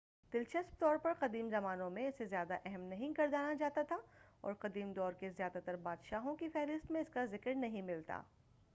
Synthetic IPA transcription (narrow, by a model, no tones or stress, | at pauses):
d̪̥ɪlt͡ʃɐsp̚t̪ɔːɾpɐɾqɐd̪iːmzɐmaːnõmẽɪsezjaːd̪aʔɛɦɛmnɐɦĩkɐɾd̪aːnad͡ʒaːt̪at̪ʰaɔ̰ːɾqɐd̪iːmd̪ɔːɾkezjaːd̪at̪ɐɾbaːd̪ʃaːɦõkifɛːɾɪst̪mẽɪskazɪkɾnɐɦĩmɪlt̪a̰ː